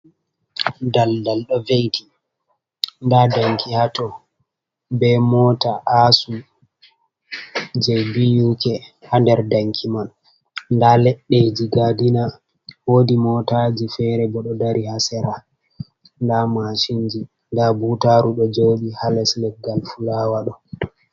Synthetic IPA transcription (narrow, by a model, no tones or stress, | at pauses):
daldalɗɔvejti | ndadaŋkʰihatɔ | bɛmɔtaʔasu | d͡ʒɛbijukɛhandɛɾdaŋkʰiman | ndalɛɗːed͡ʒiɡadina | wodimɔtad͡ʒifɛɾɛbɔɗɔdaɾihasɛɾa | ndamaʃiɲd͡ʒi | ndabutaɾuɗɔd͡ʒoɓihalɛslɛf̚ɡalfulaːwaɗɔ